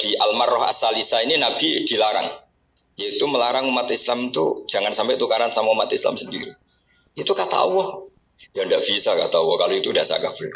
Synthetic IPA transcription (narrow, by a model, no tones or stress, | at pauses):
d̥iʔalmarːɔɦa̰salisaininab̥id̥ilaɾa̰ŋ | jait̪uməlaɾaŋumat̪islamt̪ṵd͡ʒaŋansampɛt̪ukaɾansamaumat̪isla̰msəndiɾi | it̪ukat̪a̰uwɔh | jandaʔb̥isakat̪auahkaloit̪udasa̰ɡabɾ